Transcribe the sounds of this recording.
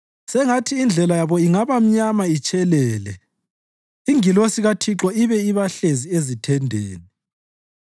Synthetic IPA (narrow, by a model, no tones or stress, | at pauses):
sɛŋatʰiːnd͡ɮʱɛlajaβɔiŋaβam̩ɲamait͡ʃʼɛlɛːlɛ | iŋilosiɣatʰiǁɔiβɛiβaɬeziezitʰɛndʱḛːni